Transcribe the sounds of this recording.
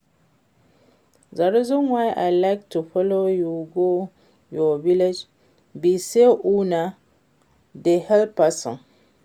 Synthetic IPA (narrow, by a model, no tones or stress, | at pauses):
zaɾizunwajʔa̰jlajk̚tufɔlojuɡo | jɔviled͡ʒ | biseʔuna | dehɛlpasɔ̰̃n